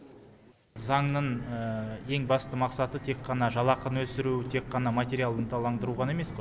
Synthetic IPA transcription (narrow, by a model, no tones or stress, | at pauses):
zɑɴnəɴ | e̞ŋbɑst̪əmɑqsɑt̪ət̪ʰe̞qʰːɑnɑʒɑlˠɑqənwɵsɪɾuwɪt̪ʰe̞kqːɑnɑmat̪ʲe̞ɾijalˠd̪ənt̪ʰɑlˠɑɴd̪əɾuʁɑne̞me̞sqoj